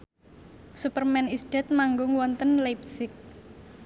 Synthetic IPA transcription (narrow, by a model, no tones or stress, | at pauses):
supərmɛnisd̥ɛ̤t̪̚maŋɡʊŋwɔnt̪ənlajp̚sɪk̚